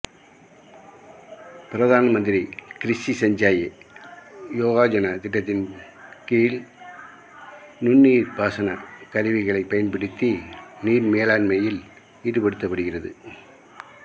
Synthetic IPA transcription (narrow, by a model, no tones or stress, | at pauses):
pɪɾɐðaːnɐmɐnd̪ɪɾikɾɪsisɐɲd͡ʒaːje | joːɣaːd͡ʒɐnɐt̪ɪʈːɐt̪̬ːɪn | kiːl | nʊnːiːɾbaːsɐnɐkɐɾɯʋɪɣɐɭɐɪpːɐjɐnpɪɽɪt̪ːiniːɾmeːlaːnmɐjɪl | iːɾɯpɐɽɯt̪ːɐpːɐɽɯɣɪrɐðɯ